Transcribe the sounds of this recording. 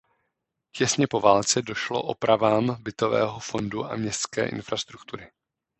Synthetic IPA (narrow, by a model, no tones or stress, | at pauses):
cɛsɲɛpo̞vaːlt͡sɛdo̞ʃlo̞̰ʔo̞pɾavaːmbɪt̪o̞vɛ̰ːɦo̞fo̞nduʔa̰mɲɛst̪skɛ̰ːʔɪ̰nfɾast̪ɾukt̪uɾɪ